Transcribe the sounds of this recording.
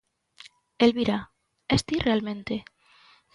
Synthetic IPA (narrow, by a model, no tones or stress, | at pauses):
elβiɾa | est̪irʔealmẽnt̪e